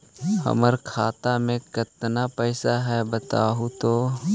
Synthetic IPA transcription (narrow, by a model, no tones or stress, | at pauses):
hə̰məɾkʰaːt̪amẽkɪt̪napɛɪsaɦɛbət̪aːɦut̪oː